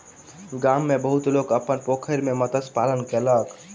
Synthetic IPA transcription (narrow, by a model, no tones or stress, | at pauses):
ɡamːebəɦut̪lokəpənpokʰəɾmemət̪əspalənkelək